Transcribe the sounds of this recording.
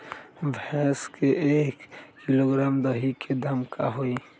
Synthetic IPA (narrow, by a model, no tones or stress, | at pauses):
bʱɛskeʔeːkːiloɡɾaːmd̪əɦikʰed̪əmkaɦoi